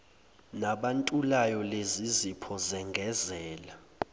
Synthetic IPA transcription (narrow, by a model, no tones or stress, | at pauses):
naɓantʼulajɔlezizipʰɔzɛŋɡʱɛzɛːla